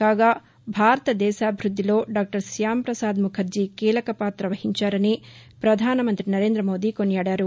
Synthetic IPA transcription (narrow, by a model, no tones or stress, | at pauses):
kaːɡa | bʱaːɾɐt̪ɐd̪ɛːsaːbʱɾud̪ːilo̞ːɖaːk̚ʈɐɾsjaːmpɾɐsaːd̪mukʰɐɾd͡ʒikiːlɐkɐpaːt̪ɾɐʋɐhiɲt͡ʃaːɾɐnipɾɐd̪ʱaːnɐmɐnt̪ɾinɐɾeːnd̪ɾɐmo̞ːd̪ikonjaːɽjaːɾu